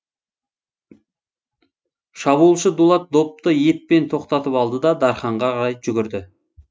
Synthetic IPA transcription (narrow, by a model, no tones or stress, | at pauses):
ʃɑβuːlˠʃəd̪ulˠɑt̪̚d̪op̚t̪əjepːe̞nt̪ʰo̞qt̪ɑt̪əpɑlˠd̪əd̪ɑd̪ɑɾχɑɴʁɑqʰɑɾɑjʒʏɡʲɪɾd̪ɪ